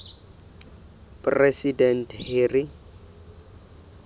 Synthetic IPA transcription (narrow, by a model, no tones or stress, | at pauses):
pʼrɛsidɛntʰhɪːrɪ